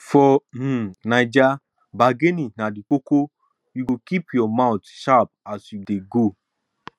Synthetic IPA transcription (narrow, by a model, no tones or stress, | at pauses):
fɔm̩nad͡ʒa | baɡeninadik͡poko | juɡokipjɔmãʊtʃap̚asjudeɡo